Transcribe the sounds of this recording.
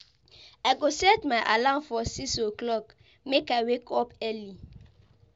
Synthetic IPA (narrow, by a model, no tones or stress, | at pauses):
aɪɡosɛtmaɪʔalãmfɔsisoklɔk | mekaɪwekʰɔpɛli